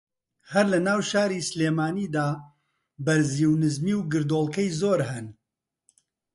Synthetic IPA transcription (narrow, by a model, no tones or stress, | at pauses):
hɐɾlɐnaːwʃaːɾiːsleːmaːniːd̪aː | bɐɾziːwnɨzmiːwɡɨɾd̪oːlˠkɐjzoːɾɦɨn